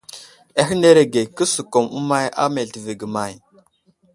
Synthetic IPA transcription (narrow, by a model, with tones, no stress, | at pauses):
e˦ɦi˦ne˦ɾe˨ɡe˨kə˦su˨ko˨mu˦ma˦ja̰˦me˨ti˨ve˨ɡə˨ma˨j